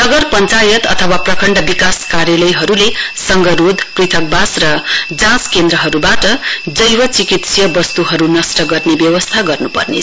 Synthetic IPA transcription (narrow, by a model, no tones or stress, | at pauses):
nʌɡʌrpʌnt͡sajʌt̪ʌ̰t̪ʰʌwaprʌkʰʌɳɖʌbikaskaɾjʌlʌjɦʌɾulesʌŋɡʌɾud̪ʱprit̪ʰʌk̚basrʌd͡zãskend̪ɾʌɦʌɾubaʈʌd͡zʌjwʌt͡sikit̪sjʌbʌst̪uɦʌɾunʌsʈʌɡʌrnebjʌwʌst̪ʰaɡʌrnupʌ̰rnḛ